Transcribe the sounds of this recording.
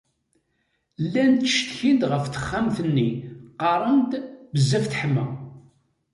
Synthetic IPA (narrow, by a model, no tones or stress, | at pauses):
lːænt̪əʃt̪çind̪ʁəfθə̥χːæmθənːiqɑɾˤənt̪bəzːæfθħəmːæ̰